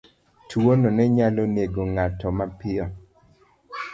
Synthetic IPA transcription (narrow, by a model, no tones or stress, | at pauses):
twononɛɲaloneɡoŋatɔmapɪɔ